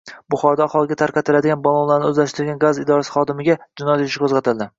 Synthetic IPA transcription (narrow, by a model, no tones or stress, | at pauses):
bʊχɒɾd̪aaχɒlˠɪɡʲat̪ʰaɾqɑt̪ʰɪlad̪ɪɡʲanbɒlˠɒnlaɾnɪɵzlaʃt̪ɪɾɡʲanɡazɪd̪ɒɾasɪ̥χɒd̪ɪmɪɡʲad͡ʒɪnɒjat̪ɪʃɪkʰɵzʁɑt̪ʰɪld̪ɪ